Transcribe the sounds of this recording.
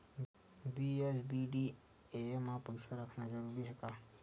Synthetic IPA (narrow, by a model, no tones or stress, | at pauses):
biesbiɖi | emãpəjsaɾəkʰnad͡ʒəɾuɾiɦɛk̪a